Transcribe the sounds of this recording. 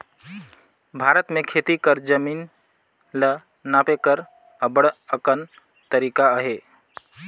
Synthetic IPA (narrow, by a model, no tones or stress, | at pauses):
bʱaːɾət̪mẽkʰeːt̪ikəɾd͡ʒəmiːn | lə | naːpekəɾ | əbəɽəkən | t̪əɾiːkaɦe